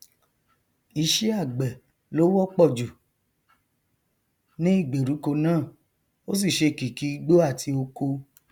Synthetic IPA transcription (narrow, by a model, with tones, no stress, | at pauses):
i˧ʃɛ˦a˦˨ɡ͡bɛ˨ | lo˨˦wɔ˦k͡pɔ˦˨d͡ʒu˨ | nĩ˦i˦˨ɡ͡be˨ɾu˨˦ko˧nãː˦˨ | o˦s̬i˦˨ʃe˧˨ki˨ki˨˦ɡ͡bo˦a˦˨tʰi˧o˧ko˧